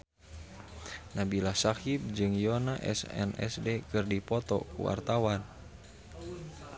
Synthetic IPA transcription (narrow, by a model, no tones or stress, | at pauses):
nabilahsakip̚d͡ʒɨŋjɔnaʔɛ̰sɛ̰nɛ̰sdɛkɨrdipɔt̪ɔ̰kṵwa̰rt̪awan